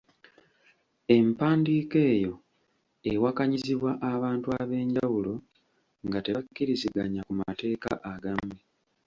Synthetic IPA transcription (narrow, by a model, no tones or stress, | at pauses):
e̞mpaːndiːke̞ːjo̞ | ewakaɲiziβwaʔaβaːntuaβe̞ːɲɟawulo̞ | ŋɡate̞βakːiɾiziɡaɲakuma̰te̞ːka̰ʔaɡame